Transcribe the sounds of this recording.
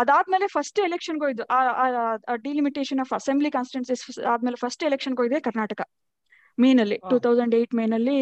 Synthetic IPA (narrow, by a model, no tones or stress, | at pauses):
ɐd̪aːd̪me̞ːlefʰɐsʈelekʂɐnɡoːjid̪uʔa | ɖilimiʈeːʃɐnaːfɐsemblikaːnsʈʈensisaːd̪̚melefʰɐsʈelekʂɐnɡoːjd̪eːkɐɾnaːʈɐkɐ | meːnɐlːiʈuːt̪ʰɐwzɐ̃ɳɖeːʈmeːnɐlːi